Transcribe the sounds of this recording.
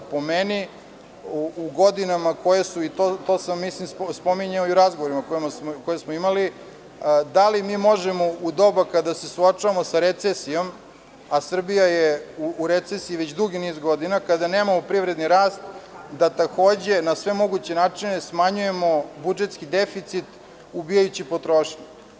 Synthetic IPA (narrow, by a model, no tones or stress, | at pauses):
po̞meni | uɡod̪inamakojesuit̪ot̪o̞ːsamːislimsspo̞miɲeoiuɾazɡoʋoɾimakojemasmkojesmoimali | d̪alimiːmo̞ʒemo̞ud̪o̞bakad̪asesuat͡ʂaʋamo̞saɾet̪sesijo̞m | asr̩bijajeuːɾet̪sesiiʋet͡ɕd̪ɾuɡiniːzɡo̞d̪inakad̪ane̞ːmamopɾiʋɾed̪niɾaːst̪d̪at̪ako̞ːd͡ʑe̞nasʋe̞mo̞ɡut͡ɕenaːt͡ʂinesmaɲuje̞mo̞bud͡ʒet̪skid̪efit̪sit̪ | ubijajut͡ɕipo̞t̪ɾoʃɲe